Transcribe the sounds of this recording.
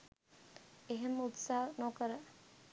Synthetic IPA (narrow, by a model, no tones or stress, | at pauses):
eɦemut̪saɦnɔkəɾə